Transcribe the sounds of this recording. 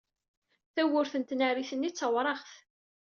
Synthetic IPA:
θæwʊɾθənt̪nariθənːit͡sːəwɾˤɑʁθ

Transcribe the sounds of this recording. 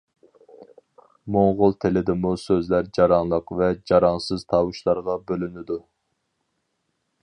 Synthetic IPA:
moŋʁʊlˠt̪ʰelɪd̪ɪmusøzlæɾd͡ʒɑɾɑŋlˠəqvɛd͡ʒɑɾɑnsɨz̥t̪ʰɑwuʃlˠɑɾʁɑbølynɪd̪u

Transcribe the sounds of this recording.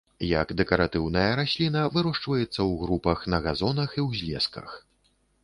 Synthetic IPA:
jɐ̰ɡd̪ɛkɐɾat̪ɨwn̪ɐjɐɾasʲlʲinɐvɨɾɔʂt͡ʂvɐjɛt̪sːɐwɣɾupɐxnɐɣazɔnɐxiwzʲlʲɛ̰skɐ̰x

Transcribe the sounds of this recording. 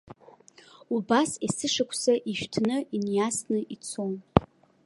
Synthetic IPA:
ubasesɨʂakʷʰsaʔiʃᶣtʰnɨinjasnɨʔit͡sʰon

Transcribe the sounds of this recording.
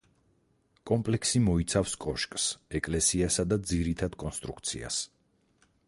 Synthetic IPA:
kʼɔmpʼlɛksimɔit̪sʰafskʼɔʃkʼsɛkʼlɛsiasad̪ad̪ziɾit̪ʰad̪kʼɔnst̪ʼɾuk̚t̪sʰḭa̰s

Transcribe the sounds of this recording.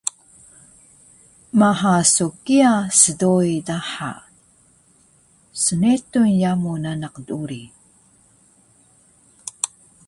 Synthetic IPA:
maɦasukiasədoidaħa̰ | sənetunjamunanaqduɾi

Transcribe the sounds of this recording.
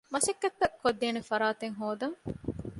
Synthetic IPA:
mɐʃɐkːɐt̪ːɐkʰːod̪ːeːnefɐɾaːt̪eŋɦoːd̪ɐŋ

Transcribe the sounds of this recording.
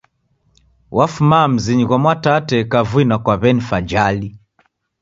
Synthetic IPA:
wʔafumam̩ziɲiɣamwatatɛkavwinakwaβɛnifad͡ʒali

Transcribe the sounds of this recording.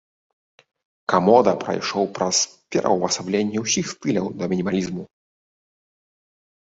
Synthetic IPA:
kamɔd̪ɐpɾɐ̰jʂɔwpɾɐspʲɛ̰ɾʔɐ̰wvɐsablʲenʲːɛwsʲixst̪ɨlʲɐwd̪ɐmʲinʲimalʲizmu

